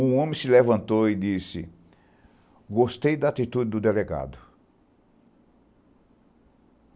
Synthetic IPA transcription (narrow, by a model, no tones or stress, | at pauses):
ũõmẽsɪlevɐ̃nt̪oɪd̪isɪ̰ | ɡost̪ejd̪ɐat̪it̪ud̪ɪd̪ʊd̪eleɡa̰d̪ʊ